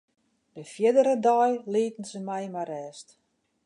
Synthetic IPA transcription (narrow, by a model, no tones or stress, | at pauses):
dəfjɪdəɾədɔjliːtn̩səmɛjmarɛːst